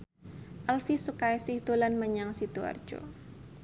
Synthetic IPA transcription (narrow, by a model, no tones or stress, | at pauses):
ʔalfisukajsɪhd̪̥olanməɲaŋsid̪ua̰rd̥ʒ̥o̰